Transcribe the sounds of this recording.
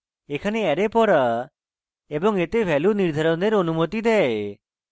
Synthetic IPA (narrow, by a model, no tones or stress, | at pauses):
ekʰaneɛɾepɔɾa | ebɔŋet̪ebʱɛluniɾd̪ʱaɾɔnd̪eɾonumot̪id̪ɛe